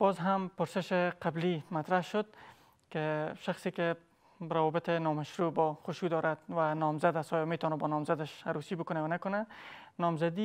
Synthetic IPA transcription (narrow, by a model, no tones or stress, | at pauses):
b̥ɔzɦampʊɾsɪʃɪqablimat̪ɾahʃʊd̪̚ | kɪʃaxsekɪ | ɾawɔbɪt̪ɪnɔmaʃɾubɔxʊʃud̪ɔɾad̪̚wanɔmzad̪asɔjɔmet̪ɔnabɔnɔmzad̪aʃaɾusibʊkʊnajɔnakʊnanɔmzad̪i